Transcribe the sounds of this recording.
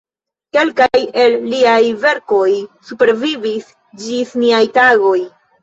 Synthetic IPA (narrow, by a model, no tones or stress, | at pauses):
ke̞lkaje̞lːiajve̞ɾko̞jsupe̞ɾvivis | d͡ʒisniajtaɡo̞j